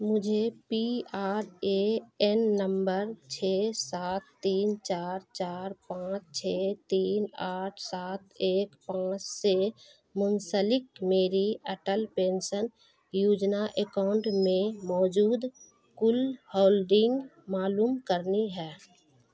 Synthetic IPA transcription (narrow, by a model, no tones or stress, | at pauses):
mʊd͡ʒʱepiaːɾeɛnːəmbəɾt͡ʃʰeːsaːt̪ːiːnt͡ʃaːɾt͡ʃaːɾpãːt͡ʃt͡ʃʰet̪iːnaːʈʰsaːt̪̚ʰeːkpãːt͡ʃse | mʊnsəlɪkmeːɾiəʈəlpeːnsən | juːd͡ʒnaʔekaʊɳʈmẽmɔːd͡ʒuːd̪ | kʊlhoːlɖɪ̃ŋɡ | maːluːmkəɾniɦɛː